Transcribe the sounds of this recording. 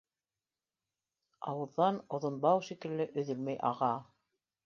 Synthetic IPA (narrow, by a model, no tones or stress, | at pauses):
ɑ̰wɤ̆ðːɑnŏðŏnbɑwʃikɘ̆lːɘʔɵ̆ðɘlmæjʔɑ̰ʁɑ